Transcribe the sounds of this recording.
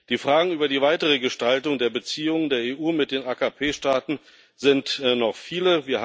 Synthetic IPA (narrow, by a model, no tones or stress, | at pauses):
d̥iːfʁ̥aːɡŋ̩ʔyːbɐdiːvaɪtəʁ̞əɡəʃtaltʊŋdeːɐbət͡siːʊŋədeːɐeːʔuːmɪt̚d̥eːnʔaːkapʰeːʃtaːtn̩ | z̥ɪntnɔχfiːləviːɐ